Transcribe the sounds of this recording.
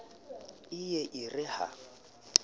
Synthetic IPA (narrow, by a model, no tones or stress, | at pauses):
ɪjɛʔɪrɪha̰